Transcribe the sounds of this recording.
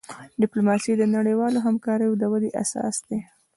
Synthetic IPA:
ɖɪplomɑsid̪ənaɽəjwɑloɦamkɑɾəjod̪əwad̪eʔa̰sɑ̰sd̪e

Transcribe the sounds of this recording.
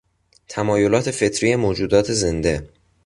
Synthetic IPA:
t̪ʰæmɒːjo̞lɒːt̪ʰe̞fe̞t̪ʰɾijemoːd͡ʒuːd̪ɒːt̪ʰe̞ze̞nd̪e̞

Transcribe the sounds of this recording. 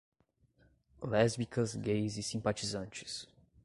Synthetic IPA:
lɛzbikɐzɡejzisĩmpat͡ʃizɐ̃nt͡ʃɪ̥s

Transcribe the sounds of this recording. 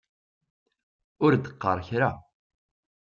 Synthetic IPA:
ʊɾd̪əqːə̰ɾˤçɾa

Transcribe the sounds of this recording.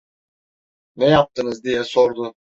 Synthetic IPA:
nɛjap̚t̪ʰɯnɯzd̪ijɛso̞ɾd̪ʊ

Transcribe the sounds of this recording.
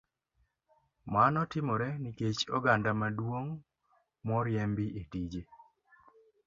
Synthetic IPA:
manɔtɪmɔɾɛniket͡ʃɔɡandamadwoŋ | mɔɾjɛmbiʔetid͡ʒe

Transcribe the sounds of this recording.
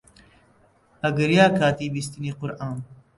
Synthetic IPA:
hɐɡɨɾjaːkʰaːt̪iːbist̪iniːqʊɾʔaːn

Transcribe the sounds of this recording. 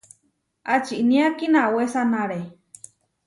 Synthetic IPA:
ʔat͡ʃiʔnĩakinawesanaɾe

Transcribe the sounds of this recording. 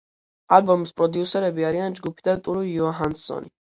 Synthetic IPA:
albɔmispʼɾɔd̪iusɛɾɛbiaɾiand͡ʒɡupʰid̪at̪ʼuɾujɔaɦansɔ̰ni

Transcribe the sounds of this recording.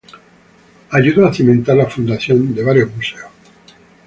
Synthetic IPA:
aʎuðoaθimẽnt̪aɾlafund̪aθjond̪eβaɾjoɦmuseos

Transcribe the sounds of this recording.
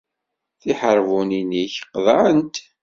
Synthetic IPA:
θiħəɾˤvuniniçqðˤəənt̪

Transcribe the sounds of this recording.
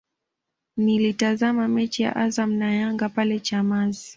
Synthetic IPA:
nilitazamamɛt͡ʃija̰ʔazam̩najaŋɡapalɛt͡ʃamazi

